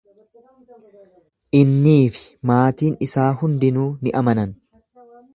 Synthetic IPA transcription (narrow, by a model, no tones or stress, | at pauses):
ʔɪnːiːfɪ̥maːt̪iːnɪsaːhʊnd̪ɪnuːnɪʔɐmɐnɐn